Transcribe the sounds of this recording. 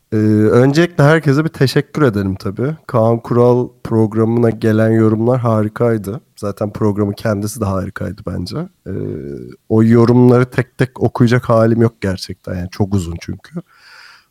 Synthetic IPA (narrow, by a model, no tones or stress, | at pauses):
ɛːø̞nd͡ʒelʲiclʲɛɦæɾcʰe̞zɛbit̪ʰe̞ʃɛcʲʰːyɾe̞d̪e̞lʲimt̪ʰabiːkʰankʰuɾalˠpʰɾo̞ɡɾamɯnaɟe̞lʲænjo̞ɾumlˠaɾɦaːɾikʰajd̪ɯz̥aːt̪ʰænpʰɾo̞ɡɾamɯcʰɛnd̪isid̪ɛɦaːɾikʰa̰jd̪ɯbæ̰nd͡ʒɛ̰ | ojo̞ɾumlˠaɾɯt̪ʰɛc̚t̪ʰɛco̞kʰujad͡ʒakhaːlʲimjo̞k̚ɟæɾt͡ʃʰɛc̚t̪ʰænjaːnit͡ʃʰo̞kuzunt͡ʃʰy̰ɲcʰy